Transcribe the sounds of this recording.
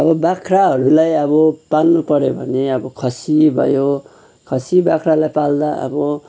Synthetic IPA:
ʌbʌbakʰraɦʌɾulajʌβʌpalnupʌɾjobʱʌneʌbʌkʰʌsibʱʌ̰jo | kʰʌsibakʰralajpald̪aʌ̰bʌ

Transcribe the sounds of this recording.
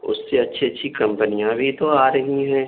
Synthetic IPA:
ʊ̰sːeɐtːʃʰiɐtːʃʰikɐ̃mpənijãbʱit̪oaːɾɐɦiɦɛ̃ː

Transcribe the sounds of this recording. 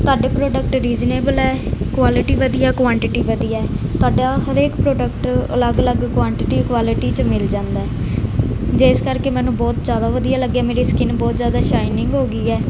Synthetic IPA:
t̪ʊaːɖeːpɾoːɖək̚ʈɾiːd͡ʒneːbəlɛːkwaːlɪʈiːʋəd̪ijaːkʋãːɳʈɪʈiːʋəd̪ijaɛːt̪oaːɖaːɦəɾeːkpɾoːɖəkʈə̰ləɡələɡkʋãːɳʈɪʈiːkʋaːlɪʈiːt͡ʃmɪld͡ʒãːnd̪aːɛː | d͡ʒeːskəɾkeːmɛ̃ːnũːbɔːt̪d͡ʒaːd̪aːʋəd̪ijaːləɡːɛːmeːɾiːskɪnbɔːt̪zjaːd̪aːʃaːɪnɪŋɡɦoːɡiːɛː

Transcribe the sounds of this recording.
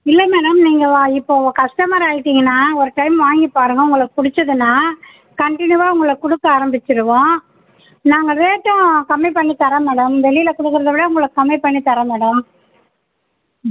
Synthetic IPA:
ɪlːɐmɛːɽɐmniːŋɡɐʋãːɪpːoːkɐʂʈɐmɐɾaːjɪʈːiːŋɡɐnːaːɔɾɯʈɐɪmʋaːŋɡipːaːɾɯŋɡɐʊŋɡɐɭpʊɽɪt͡ʃːɐðɯnːaː | kɐɳʈɪnɯʋaːʊŋɡɐɭɐkʊɽɯkːɐaːɾɐmbɪt͡ʃːɪɾɯʋõː | naːŋɡɐʋeːʈːõkɐmːɪpɐɳːit̪ɐɾɐmɛːɽɐmʋɛɭɪjɪlɐkʊɽɯkːɯɾɐðɐʋɪɽɐʊŋɡɐɭɯkːkɐmːɪpɐɳːit̪ɐɾɐmɛːɽɐm

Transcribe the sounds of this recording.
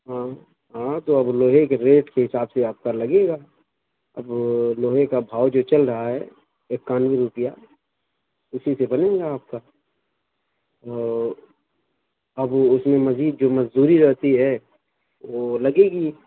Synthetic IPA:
ɦã | ɦãt̪oɐbloːɦekeɾeːʈkeɦɪsaːbseaːb̚kalɐɡeːɡaː | ɐ̰bloːɦekabʱaːwd͡ʒot͡ʃɐlɾɐɦaɦɛ | eːkːaːnʋiɾʊpɪja | ʊsisebɐnẽːɡaːp̚ka | ɔː | ɐbʊsmẽmɐziːd̪̚d͡ʒoːmɐd͡ʒd̪uːɾiɾɐɦt̪iɦɛ | ʋolɐɡeːɡiː

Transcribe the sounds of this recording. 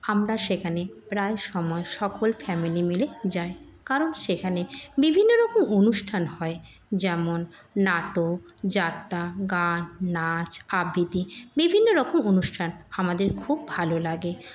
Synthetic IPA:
amɾaʃekʰanepɾaeʃɔmɔeʃɔkolfɛmilimiled͡ʑae | kaɾonʃekʰanebibʱinːoɾɔkomonuʃʈʰanɦɔe | d͡ʑɛmonː | aʈod͡ʑat̪ːaɡanːat͡ɕabʱit̪ibibʱinːoɾɔkomonuʃʈʰanamad̪eɾkʰubːʱalolaɡe

